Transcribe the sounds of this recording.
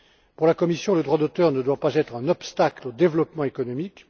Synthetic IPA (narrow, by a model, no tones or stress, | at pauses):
puʁlakɔmisjɔ̃ləd̪ʁwad̪ot̪œʁnəd̪wapazɛt̪χɛ̃nɔpst̪aklod̪evlɔpmɑ̃ekɔnɔmik